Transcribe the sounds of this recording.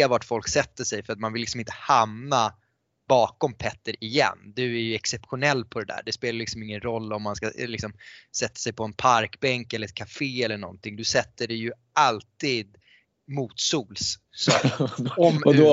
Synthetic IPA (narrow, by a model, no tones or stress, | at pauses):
vaʈfɔlksɛt̪ːəʂɛjfœɾat̪manvɪllːɪksɔmɪnt̪ə̥hamna | bɑːkɔmpʰɛt̪ːəɾɪjɛ̰nːd̪ɵæɾjɵɛksɛpɧʊnɛlːpʰɔd̪ɛd̪æ̰ːɖɛspeːlajʏlɪksɔmɪŋːənɾɔlːɔmːanska̰lɪksɔmsɛt̪ːḁsɛjpʰɔɛnpʰaɾkbɛŋkɛlːəɾɛt̪̚kʰafeːɛlːəɳɔ̰nt̪ɪŋd̪ɵsɛt̪ːəɖɛjɵ | ʔalt̪iːd̪ | muːt̪suːls | sɔ | ɔmdd